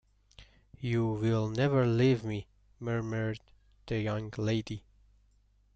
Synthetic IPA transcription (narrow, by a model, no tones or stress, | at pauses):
juwɪlˠnɛvə˞livmi | mɜ˞mə˞d̪̚ | ðɨjʌ̃ŋleɪdi